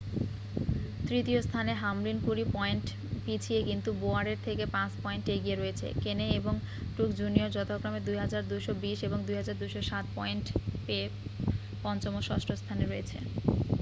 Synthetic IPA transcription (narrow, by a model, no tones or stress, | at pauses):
t̪ɾit̪iost̪ʰaneɦamlinpuɾipɔeɳʈ | pit͡ɕʰiekint̪uboaɾeɾt̪ʰekepãt͡ɕpɔeɳʈeɡieɾoet͡ɕʰḛkeneeboŋ | ʈukd͡ʑunioɾd͡ʑɔt̪okɾamed̪ujɦad͡ʑaɾd̪ujʃobiʃeboŋd̪ujɦad͡ʑaɾd̪ujʃoʃat̪̚pɔeɳʈpee | pɔnt͡ɕomoʃɔʃʈʰost̪ʰaneɾoet͡ɕʰḛ